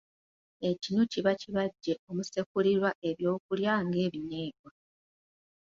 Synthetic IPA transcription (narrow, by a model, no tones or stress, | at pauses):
e̞cinuciβaciβaɟːe̞o̞muse̞kuliɾwaʔe̞βjo̞ːk̚uljaːŋɡe̞ːβine̞ːɡwa